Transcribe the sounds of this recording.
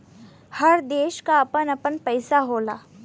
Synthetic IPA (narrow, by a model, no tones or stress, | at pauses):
hɐɾd̪eːʃkaɐpənɐpənpɐjsaɦoːlaː